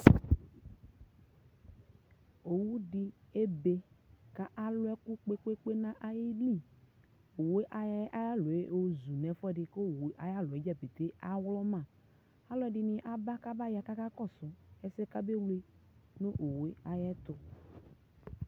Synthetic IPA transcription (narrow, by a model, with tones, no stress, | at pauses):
o˨wu˦ɖi˦e˦be˨ka˦ʔa˨lʊ˦ɛ˦ku˦k͡pe˦k͡pe˦k͡pe˦nã˦ʔa˨ji˦li˦˨ | o˨we˦ʔa˨jɛ˦ʔa˦ja˦lo˨e˦˨o˦zu˨nɛ̃˨fɔ˦ɖɪ˨ko˦˨wʔa˨ja˦lʊ˨e˦d͡ʒa˦be˨t̪e˦ʔa˦wlɔ˦mã˨ | a˦lɔ˦ɛ˦ɖɪ˨nɪ̃˨ʔa˨ba˦ka˦ba˦ja˨ka˦ka˦kɔ˦˨sʊ˨ɛ˨sɛ˦ka˦be˦wle˦nõ˦ʔo˨we˦a˨jɛ˦t̪ʊ˦